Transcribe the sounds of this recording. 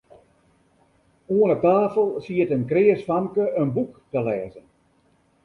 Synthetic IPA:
uənɔp̚taːfəlˠsiətənkrɪəsfamkəʔənbuktəlɛːzən

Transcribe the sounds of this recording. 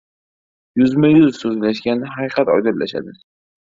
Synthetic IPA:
jʊzmajʊzsɵzlaʃɡʲanɪɦaqɨqʰɑt̪ɒ̰jd̪ɪllaʃa̰d̪ɪ

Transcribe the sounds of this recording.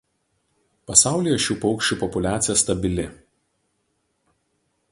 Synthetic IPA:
pɐsɑˑʊlʲiːˑjɛʃʲuːpɔʊkʃʲt͡ʃʲuˑpɔpʊlʲæːt̪sʲɪjɛst̪ɐbʲɪlʲɪ

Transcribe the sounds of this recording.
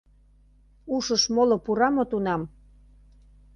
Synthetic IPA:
uʃəʃmolopuɾɑmot̪unɑm

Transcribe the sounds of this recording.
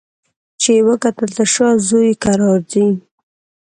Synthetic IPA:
t͡ʃewəkat̪əlt̪əʃazojkaɾɑɾdi

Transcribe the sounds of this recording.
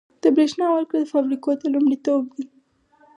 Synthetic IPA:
d̪̥əbɾeʃnɑwəlkɽad̪əfabɾikot̪alumɽit̪ob̚d̪i

